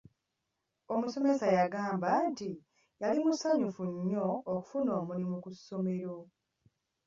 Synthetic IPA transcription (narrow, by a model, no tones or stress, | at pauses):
o̞muso̞me̞sajaɡaːmbanti | jalimusaɲufuɲːo̞ːku̥funo̞ːmulimukusːo̞me̞ɾo̞